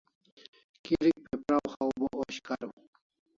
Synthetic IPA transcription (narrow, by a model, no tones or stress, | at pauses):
kiɾik̚pepɾawxawbooɕkaɾu